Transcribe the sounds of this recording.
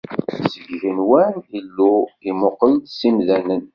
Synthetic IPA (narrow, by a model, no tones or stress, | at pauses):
səɡʝənwænilːuimʊqəld̪simðænən